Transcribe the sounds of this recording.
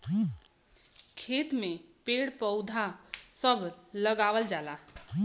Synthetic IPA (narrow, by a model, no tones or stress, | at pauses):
kʰet̪mepeɽpəʊd̪ʱasəbʱləɡawəld͡ʒala